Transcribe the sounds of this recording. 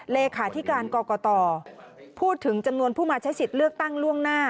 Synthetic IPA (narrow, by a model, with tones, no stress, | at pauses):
leː˧kʰaː˩˦t̪ʰiː˦˥kaː˧nkɔː˧kɔː˧t̪ɔː˧ | pʰuː˥˩t̪ʰːɯ˩˦ŋt͡ɕa˧mnu˧ənpʰuː˥˩maː˧t͡ɕʰa˦˥jsi˨˩t̪̚lɯ˥˩ək̚t̪a˥˩ŋlu˥˩əŋnaː˥˩